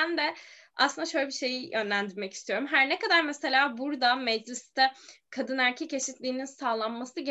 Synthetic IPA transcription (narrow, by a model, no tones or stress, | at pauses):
nd̪ɛ | aslˠɯnd̪aʃølʲɛbiʃe̞jijø̞nlʲænd̪iɾmɛcist̪ʰijo̞ɾumɦæɾnekad̪aɾmese̞lʲaːbuɾd̪amɛd͡ʒlʲist̪ʰɛkʰad̪ɯnæɾcʰɛcʰe̞sit̪lʲiːninsaːlˠanmasnɯɟe